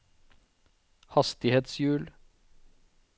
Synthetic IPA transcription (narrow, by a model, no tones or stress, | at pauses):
hɑst̪ɪheːt̪sjʉːl